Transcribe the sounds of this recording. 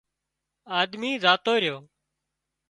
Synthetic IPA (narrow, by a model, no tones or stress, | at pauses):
aːd̪miːzaːt̪oːɾɪjoː